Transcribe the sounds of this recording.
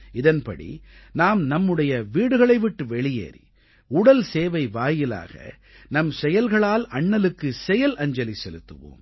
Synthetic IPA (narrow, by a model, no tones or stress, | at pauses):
ɪðɐnpɐ̰ɽḭnaːmnɐmːɯɽɐjɐʋiːɽɯɣɐɭɐɪʋɪʈːɯʋɛɭɪjḛːɾḭ | ʊɽɐlseːʋɐɪʋaːjɪla̰ːɣɐ̰ | nɐmsɛjɐlɣɐɭaːlɐɳːɐlɯkːɯsɛjɐlʔɐɲd͡ʒɐlisɛlɯt̪ːɯ̰ʋo̰ːm